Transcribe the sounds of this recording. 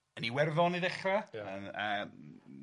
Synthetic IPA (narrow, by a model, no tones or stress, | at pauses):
əniwɛrðɔniðɛχraəə